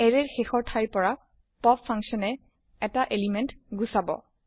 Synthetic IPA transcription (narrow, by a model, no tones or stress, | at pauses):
ɛɹɛɹxexɔɹtʰajpɔɹa | pɔpʰːaŋksɔnɛ | ɛtaʔelimɛntɡusabɔ̰